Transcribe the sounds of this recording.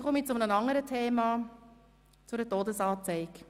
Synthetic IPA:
χɔmit͡sʊmnənɑŋəɾətʰeːmɑ | t͡sʊɾətoːdəsɑːt͡sɛɪk

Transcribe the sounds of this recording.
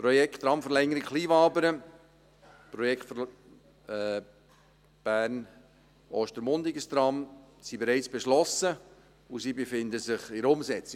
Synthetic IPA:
pɾɔjɛkχt̪ɾɑmfəɾlɛŋəɾikχliːvɑːbəɾə | pɾɔjɛkχtf | b̥æːɾn | ʔɔːʃtəɾmʊnd̪ɪɡəst̪ɾɑm | sibeɾɛɪt͡sb̥eʃlɔsə | usibefɪnd̪əsɪχɪɾʊmsɛt͡sɪ

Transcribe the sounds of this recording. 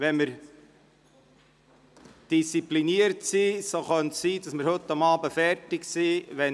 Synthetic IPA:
ʋɛnməɾ | d̥ist͡sipliniəɾtsiːsoχœnssiːdɑsməɾhɵtːɑmɑːbəfɛɾtɪksiːʋɛ

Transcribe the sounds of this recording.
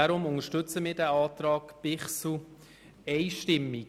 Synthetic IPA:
aɾʊmʊŋəʃtʏt͡səmɪːdæːɑːt̪ɾɑːkpɪχsl̩ | ɛɪʃtɪmːi

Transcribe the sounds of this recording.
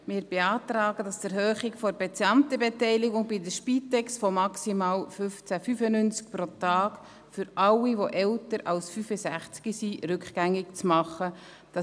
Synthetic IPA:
mɪːɾb̥eɑːtɾɑːɡədɑstɛɾhøːχɪkfɔɾbet͡sjɑnt̪əbetɛɪlɪɡʊŋbidəʃpiːtɛkstfɔmɑksimɑːlfʏft͡sæfyfənynt͡sk̚pɾotɑːk | fʏɾɑwiʋoʔɛltəɾɑlsfyfəsæχt͡skisiɾʏkχɡæŋːɪkt͡smɑχə | d̥ɑ

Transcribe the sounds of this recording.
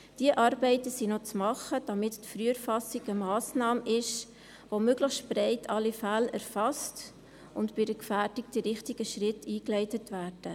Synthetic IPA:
d̥iəʔɑɾbɛɪtəsinot͡smɑχəd̥ɑmɪttfɾyːəɾfɑsiɡəmɑːsnɑːmɪʃ | ʋomøɡləχstb̥rɛɪtʰɑlːifælæɾfɑst | ʊntbɪdəkfæːdikd̥iɾɪχtiɡəʃɾɪtiːklɛɪtətʋæːɾd̥ə

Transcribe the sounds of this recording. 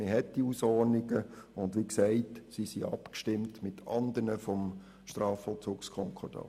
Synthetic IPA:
mɪɦɛtdiusɔrnɪɡəʊndʋiksɛɪtsisiʔɑ̰pkʃtɪmtmɪtʰɑnd̪ənəfɔm | ʃtrɑːfɔlˠt͡suːkskʰɔŋkʰɔd̥ɑ̰

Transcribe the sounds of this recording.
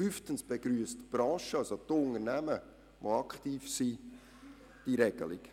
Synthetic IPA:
yftənsb̥eɡɾyːəstb̥ɾɑ̃ːʃəɑlsotʊnəɾnæmə | ʋoɑkχtiːfsi | d̥iɾɛɡ̥ə̰lḭk

